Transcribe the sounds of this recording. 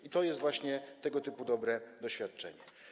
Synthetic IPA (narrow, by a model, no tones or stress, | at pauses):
it̪ɔjɛst̪vwaɕɲɛt̪ɛɡɔt̪ɘpud̪ɔbɾɛd̪ɔɕfʲjat̪̚t͡ʂɛ̰ɲɛ